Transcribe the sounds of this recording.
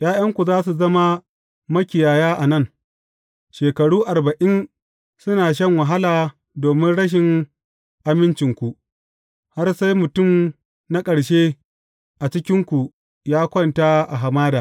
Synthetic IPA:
j̰aː˦jɐ˦ŋkʷu˨zaː˦s̬u˨zɐ˦ma˦ | mɐ˦kʲɪ˨jaː˨jaː˦ʔa˨nɐ˦˨ŋ | ʃeː˨kɐ˨ɽuː˦ʔa˨rbɐ˨ʔɪ˦n | sʊ˦naː˨ʃ̬ɐ˦˨ŋwɐ˨ɦa˦laː˨ | doː˨mɪ˦nɽɐ˦ʃ̬ɪ˨ŋ | ʔa˨mɪ˦nt͡ʃɪ˨ŋkʷu˨ʔ | ha˦rsa˦jmʊ˨tʊ˦˨m | na˦kʼɐ˨ɽʃeː˦ | ʔa˨t͡ʃɪ˦kʲɪ˦ŋkʷu˨ | jaː˦kʷɔ˦˨nta˦ʔa˨ɦa˨maː˦daː˨

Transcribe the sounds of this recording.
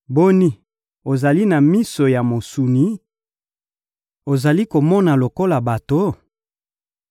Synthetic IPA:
bo˦ni˦ | o˨za˨li˦na˨mi˦so˨ja˨mo˨su˨ni˨˦ | o˨za˨li˦ko˨mɔ˦na˨lo˨ko˦la˨ba˨to˨

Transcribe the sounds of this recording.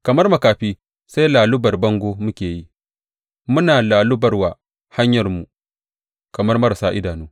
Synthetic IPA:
kɐ˨mɐ˦rmɐ˨kaː˨ɸiː˦ | sa˦jlaː˨lʊ˦bɐ˨rbɐ˦ŋɡʷoː˦mʊ˦kʲeː˨ji˦ | mʊ˦naː˨laː˨lʊ˦bɐ˨rwaː˨ | ha˦ɲjɐ˨rmu˨ | kɐ˨mɐ˦rmɐ˦ɾa˨saː˦ʔɪ˦daː˨noː˦

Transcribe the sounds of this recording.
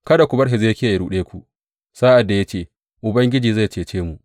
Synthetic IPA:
kɐ˦da˨kʷu˨bɐ˦ɽɦe˨ze˦kʲɪ˦a˨jɽuː˦ɗeː˦kʷu˨ | saː˦ʔa˨dːa˨ja˦t͡ʃeː˦˨ | ʔʊ˨bɐ˦ŋɡʲɪ˦d͡ʒiː˨za˦˨jt͡ʃeː˨t͡ʃeː˦mu˨ʔ

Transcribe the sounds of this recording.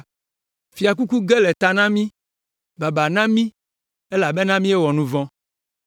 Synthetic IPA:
fi˨a˨k̬u˦ku˦ɡe˦lɛ˨t̪a˨nã˦mĩ˦ | ba˨ba˨nã˦mĩ˦ | e˦la˨be˦nã˦mĩ˦e˦wɔ˨nũ˦vɔ̃˦

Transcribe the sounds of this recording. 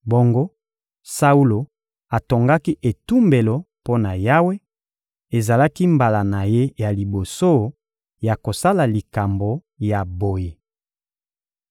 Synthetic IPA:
bo˦ŋɡo˦ | sa˦u˦lo˨ | a˨to˨ŋɡa˦ki˦ʔe˨tu˦mbe˨lo˨ | po˦na˨ja˦we˦ | e˨za˨la˦ki˦mba˨la˨na˨je˦ja˨li˨bo˨so˦ | ja˨ko˨sa˦la˨li˨ka˨mbo˨ | ja˨bo˨je˨

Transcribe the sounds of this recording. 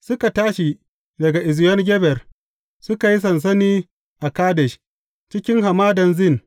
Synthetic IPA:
sʊ˦ka˨taː˦ʃi˨ | dɐ˨ɡa˨ʔɪ˨zjɔ˦nɡʲɛ˦bɛ˨r | sʊ˦ka˨ji˦s̬ɐ˨ns̬ɐ˦niː˦ | ʔa˨kaː˦dɛ˨ʃ | t͡ʃɪ˦kʲɪ˦ŋɦa˨maː˦dɐ˨nzɪ˦˨n

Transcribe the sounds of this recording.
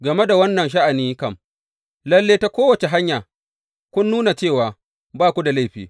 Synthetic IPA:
ɡɐ˨me˦da˨wɐ˦nːɐ˨nʃ̬a˦ʔa˨niː˦kɐ˦˨m | lɐ˦lːeː˦ta˦kʷoː˦wɐ˨t͡ʃe˨ɦa˦ɲjaː˨ | kʷʊ˦nːuː˦na˨t͡ʃeː˦˨waː˨ | baː˦˨kʷu˦da˨la˦jɸḭː˨

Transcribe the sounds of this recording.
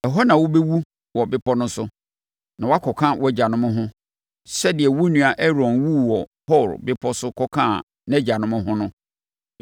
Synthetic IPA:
ɛ˨ɦɔ˦nã˨wʊ˦be˦wu˦ | wɔ˨bɪ˦pʰɔ˦nʊ̃˦sʊ˦ | nã˨wɔ˦a˦kʰɔ˨kʰã˦wʔɔ˦˨d͡ʑa˨nʊ̃˦mʊ̃˦ɦʊ̃˦ | sɛ˦dɪ˨ɛ˨wu˦nũ˨a˨ʔɛ˦ɾɔ̃˨nwu˦wɔ˨pʰɔ˦˨ɾ̰bɪ˦pʰɔ˦sʊ˦kʰɔ˦kʰã̰˦˨ | n˦ɛ˦d͡ʑa˨nʊ̃˦mʊ̃˦hʊ̃˦nʊ̃˦

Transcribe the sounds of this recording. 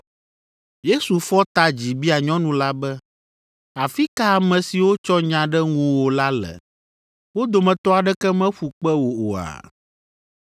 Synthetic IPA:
je˦su˨fɔ˦t̪a˦d͡ʑi˨bi˦a˨ɲɔ̃˦nũ˨la˦bɛ˦ | a˨fi˦ka˦a˨mɛ̃˨si˨wo˦t͡ʃɔ˦ɲã˨ɖɛ˦ŋũ˦wo˨la˦lɛ̰˨ | wo˦d̪o˨mɛ̃˨t̪ɔ˦a˨ɖɛ˦kɛ˦mɛ̃˦ɸu˨k͡pɛ˦wo˨o̰˨a̰˨

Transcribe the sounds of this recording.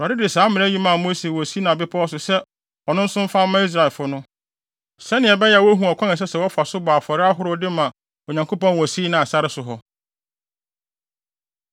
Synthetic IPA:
a˨ɪ˦dɪ˨saː˨˦mɪ̃˨˦ji˦mã˦˨mo˦se˨wɔ˨si˦nã˨bɪ˦pʰa˦ɔ˦s̬ʊ˨sɛ˦ | ɔ˨nʊ̃˦n̩˦sʊ̃˦m˦fã˦mː˦ã˦i˦s̬ɾa˨ɪ˨fʊ˦nʊ̃˦ | sɛ˦nɪ̃˨ɛ˨bɛ˦jɛ˨wɔ˦ɦũ˨ɔ˨kʰã˦nɪ˨s̬ɛ˦sɛ˨wɔ˦fa˨sʊ˦baː˨fɔ˨ɾɪ˦a˦ɦʊ˦ɾɔ˦dɪ˦mã˨ | o˨ɲã˨ŋko˦pɔ̃˦nwɔ˨si˦nã˨a˨sa˦ɾɪ˦sʊ˨ɦɔ˨

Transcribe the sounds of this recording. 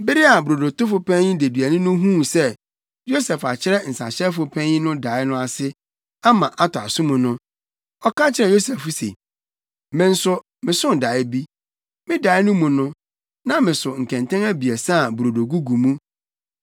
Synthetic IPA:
bɪ˦ɾi˦a˨bɾo˨do˨tʊ˦fʊ˨pʰɛ̃˦nĩ˦de˨dɥæ˨nɪ̃˦nʊ̃˦ɦũ˦sɛ˦ | jo˦sɛ˨fa˨t͡ɕʰɪ˦ɾɛ˦n̩˨sa̰˨ɕɛ˦fʊ˨pʰɛ̃˦nĩ˦nʊ̃˦da˨˦ɪ˦nʊ̃˦a˨sɪ˦ | a˦mã˨ʔa˦tʰʊ˨a˨sʊ̃˦mũ˨nʊ̃˦ | ɔ˦ka˦t͡ɕʰɪ˨ɾɛ˨jo˦sɛ˨fu˦sḛ˨ | mɪ̃˨n̩˦sʊ˦ | mɪ̃˨sʊ˦n˨da˨˦ɪ˦bi˦ | mɪ̃˦da˨˦ɪ˦nʊ̃˦mũ˨nʊ̃˦ | nã˦mɪ̃˨sʊ˨ŋ̩˨kʰɛ̃˨ntʰɛ̃˦ŋæ˦bi˨ɛ˨sa˦˨bu˨ɾo˨do˨ɡu˦ɡu˨mũ˦

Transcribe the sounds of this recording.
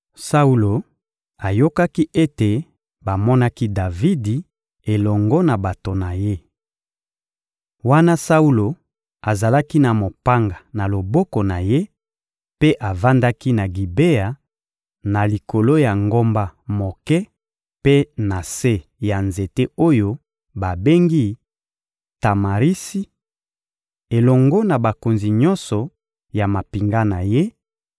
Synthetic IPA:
sa˦u˦lo˨ | a˨jo˦ka˦ki˦ʔe˦te˨ | ba˨mɔ˦na˦ki˦da˨vi˦di˨ | e˨lɔ˨ŋɡɔ˦na˨ba˨to˨na˨je˦ | wa˦na˦sa˦u˦lo˨ | a˨za˨la˦ki˦na˨mo˨pa˦ŋɡa˨na˨lo˨bɔ˦ko˨na˨je˦ | pe˦ʔa˨va˦nda˦ki˦na˨ɡi˨be˦a˨ | na˨li˨ko˨lo˦ja˨ŋɡo˦mba˦mo˨kɛ˦ | pe˦na˨se˦ja˨nze˨te˦o˦jo˦ | ba˨be˦ŋɡi˦ | ta˨ma˨ʁi˦si˦ | e˨lɔ˨ŋɡɔ˦na˨ba˨ko˨nzi˨ɲɔ˦nsɔ˨ | ja˨ma˨pi˨ŋɡa˦na˨je˦

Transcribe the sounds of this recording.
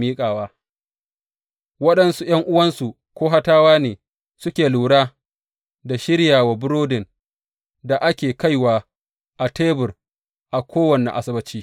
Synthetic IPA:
miː˦kʼaː˨waː˦ | wɐ˦ɗɐ˨nsu˦j̰ɐ˦ŋʔʊ˦wɐ˦nsu˨ | kʷoː˦ɦa˦taː˦waː˦neː˨ | sʊ˦kʲeː˨luː˨ɽaː˦ | da˨ʃɪ˦ɽjaː˨waː˨bʊ˦ɾoː˦dɪ˨n | da˨ʔa˦kʲeː˨ka˦jwaː˦ | ʔa˨teː˦bʊ˨r | ʔa˨kʷʰoː˦wɐ˨nḛ˨ʔa˨sɪ˦bɐ˦t͡ʃiː˦

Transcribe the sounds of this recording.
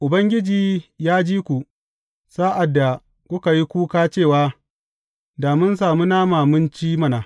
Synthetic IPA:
ʔʊ˨bɐ˦ŋɡʲɪ˦d͡ʒiː˨jaː˦d͡ʒiː˦kʷu˨ | saː˦ʔa˨dːa˨ | kʷʊ˦ka˨ji˦kʷuː˦kaː˦t͡ʃeː˦˨waː˦ | da˨mʊ˦ns̬aː˨mu˦naː˦maː˨mʊ˦nt͡ʃiː˦mɐ˦naː˨

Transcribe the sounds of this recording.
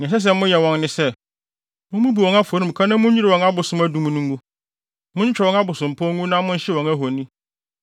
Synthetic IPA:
n˨ɛ̃˨s̬ɛ˦s̬ɛ˦˨mʊ̃˦jɛ˨wɔ̃˦nːɪ̃˦sɛ˦ | mʊ̃˦mũ˦bi˨ɔ̃˨ŋa˦fo˨ɾĩ˦˨m̩˨kʰa˦nã˦mʊ̃˦ɲ˦ɲi˦ɾɪ˨wɔ̃˨ŋa˦bʊ˨sʊ̃˦mæ˦dũ˨m̃˦nũ˦ŋ˦ɡũ˦ | mʊ̃˦ɲ̩˦t͡ɕᶣɛ˨ɔ̃˨˦a˦bʊ˨sʊ̃˨m̩˨pʰɔ˦ŋũ˦nã˦mʊ̃˦ɲ̩˦ɕɪ˦wɔ̃˨ŋæ˦ɦo˨nĩ˦

